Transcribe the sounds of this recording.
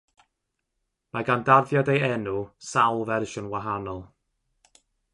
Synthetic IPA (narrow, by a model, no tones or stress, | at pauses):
maɡandarðjɔdejɛnusawlˠvɛrʃʊnwaɦanɔlˠ